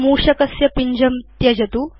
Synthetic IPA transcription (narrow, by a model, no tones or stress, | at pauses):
muːɕɐkɐsjɐpiɲd͡ʑɐmt̪jɐd͡ʑɐt̪uː